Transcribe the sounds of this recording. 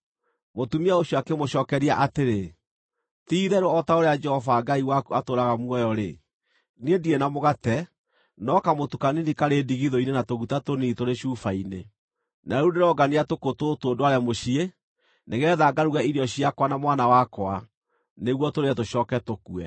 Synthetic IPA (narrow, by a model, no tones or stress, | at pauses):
motumiaoɕɔakemoɕɔːkɛɾiaʔateɾe | tiːðɛɾoɔtaoɾead͡ʒɛhɔvaɡaiwakuatoɾaɣamuɔjɔɾe | niendienamoɣatɛ | nɔkamotukaninikaɾediɣiðɔinenatoɣutatonitoɾeɕuːfaine | naɾuneɾɔɡaniatokototoːndoaɾɛmoɕie | neɣɛːðaɡaɾuɣɛiɾjɔɕiakwanamwanawakwa | neɣwɔtoɾeɛtoɕɔːkɛtokuɛ̰